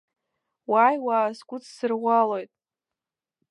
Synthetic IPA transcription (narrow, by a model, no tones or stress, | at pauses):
wajwaːsɡʷʼʊt͡sʰsɨrʁʷalojtʼ